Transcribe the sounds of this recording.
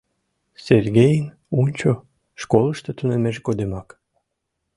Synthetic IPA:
serɡʲejən | unʲt͡ɕo | ʃkoləʃt̪ət̪unemeʃɡod̪emɑk

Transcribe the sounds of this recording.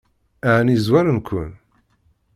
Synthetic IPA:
æʕnizwæɾənkʷʰʊ̰n

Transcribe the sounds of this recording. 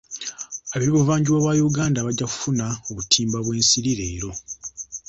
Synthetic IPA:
aβiβiβuvaːɲɟiwaβwajuɡaːndaβaɟːaku̥funaoβutʰiːmbaβwe̞ːnsiɾiɾe̞ːɾo̞

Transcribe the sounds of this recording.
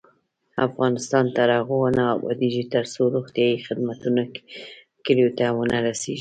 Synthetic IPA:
a̰fɣɑnɪst̪ɑnt̪aɾɑɣowanaabɑ̰d̪iʒit̪əɾsoɾoɣt̪ijɑjixɪd̪mat̪unḁ | kəljot̪awənaɾaseʒi

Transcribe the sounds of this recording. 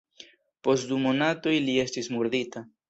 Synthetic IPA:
po̞std̪umonatojlie̞stismuɾd̪ita

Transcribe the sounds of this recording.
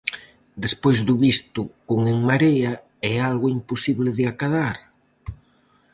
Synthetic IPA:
d̪espojzðuβist̪ʊkoŋeŋmaɾea | ɛalɣʊimposiβlɪðɪakaðaɾ

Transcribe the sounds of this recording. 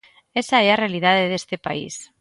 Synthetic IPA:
esaearealið̞að̞eð̞est̪epa̰ḭs

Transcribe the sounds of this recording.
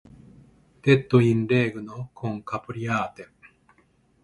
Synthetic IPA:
d̪̥e̞t̪ːoĩnɾe̞ːɡɯ̟nokʰõŋkapɯ̟ɾʲiaːt̪e

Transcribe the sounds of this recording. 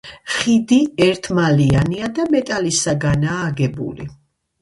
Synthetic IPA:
χid̪iɛɾt̪ʰmalianiad̪amɛt̪ʼalisaɡanaːɡɛbṵlḭ

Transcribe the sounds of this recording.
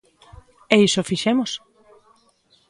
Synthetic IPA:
eisofiʃemos

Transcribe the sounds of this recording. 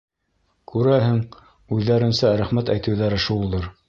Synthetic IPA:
kʉɾæɦɘŋ | ʉðːæɾɘ̆nsæɾæχmæt̪æjt̪ɘ̆wðæɾɘʃulˠulˠɤɾ

